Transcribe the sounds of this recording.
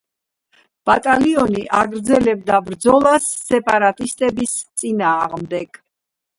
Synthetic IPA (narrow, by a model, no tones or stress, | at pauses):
b̥at̪ʼaliɔniʔaɡɾd̪zɛlɛb̚d̪abɾd̪zɔlˠasːɛpʼaɾat̪ʼist̪ʼɛbist̪sʼinaːʁmd̪ɛɡ̥